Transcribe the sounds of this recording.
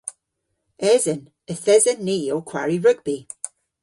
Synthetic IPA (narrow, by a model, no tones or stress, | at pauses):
ɛzən | əθɛzənːiokʰw̥a̰ɹiɹʉk̚b̥i